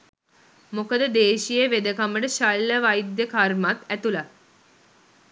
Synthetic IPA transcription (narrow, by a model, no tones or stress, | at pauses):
mokəd̪əd̪eːʃijeʋed̪əkaməʈəʃalːəʋajd̪jəkarmat̪æt̪ula